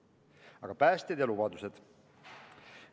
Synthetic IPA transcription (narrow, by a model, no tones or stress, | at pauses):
ɑɡ̥ɑpæːst̪ed̪jɑlubɑd̪used̪̥